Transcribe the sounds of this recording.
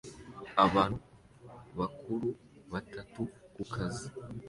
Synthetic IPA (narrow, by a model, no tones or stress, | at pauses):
aβaːnhu | βakʰuɾu | βatatukukʰazi